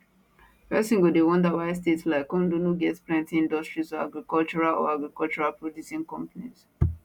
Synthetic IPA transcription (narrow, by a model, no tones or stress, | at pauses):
pɛsĩŋɡodewɔ̃ndawaɪs̬tetslaɪkɔ̃ndonoɡɛtpɹɛ̃ntĩĩndɔstɹizɔa̰ɡɹikɔlt͡ʃɔɹalɔ̰aɡɹikɔlt͡ʃuɹalpɹodisĩnkɔ̃mpaniz